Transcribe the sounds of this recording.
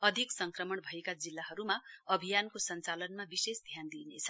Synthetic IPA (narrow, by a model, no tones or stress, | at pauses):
ʌd̪ʱiksʌŋkrʌmʌɳbʱʌekad͡zilːaɦʌɾumaʌbʱijankosʌnt͡salʌnmabisesd̪ʱjand̪inet͡sʰʌ̥